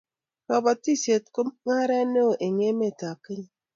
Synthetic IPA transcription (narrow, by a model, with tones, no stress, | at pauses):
nɔ˨ba˨ti˦˨se˨t̚ku˦mŋa˦ɾa˦no˦˨ʔe˨ŋe˦me˦˨ta˨kɨ˦ɲi˦